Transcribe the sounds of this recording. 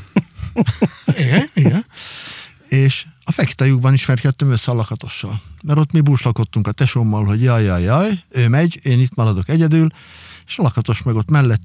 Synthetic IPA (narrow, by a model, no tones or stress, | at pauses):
iɡɛniɡɛn | eːʃɒfɛkt̪ɛjuɡ̚bɒniʃmɛrkɛt̪ːømøsːɛɒlɒkɒt̪o̞ʃːɒ̰lmɛɾo̞t̪ːmibuːʃloko̞t̪ːuŋkɒt̪ɛʃomːɒlɦo̞ɟjɒjɒjːɒjøːmɛɟeːnit̪mɒɾɒd̪o̞kɛɟɛd̪yːl | eːʃɒlɒkɒt̪o̞ʃmɛɡo̞t̪mɛlːɛt̪ː